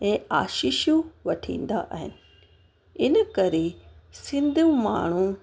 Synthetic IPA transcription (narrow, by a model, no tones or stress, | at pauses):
ẽːa̰ːʃɪʃjũʋɐʈʰḭ̃ːn̆d̪a̰ʔaɦɪnɪ̆ | ɪnəkɐɾesɪ̃nd̪ʱũma̰ːɳ̤ũ